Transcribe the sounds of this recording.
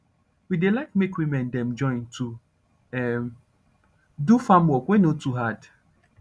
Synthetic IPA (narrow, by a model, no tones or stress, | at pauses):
widelaɪkmekwimɛ̃ndɛ̃md͡ʒɔ̃ɪ̃ntʰu | ɛ̃m | dufãmwɔkʷẽnõtʰuɦad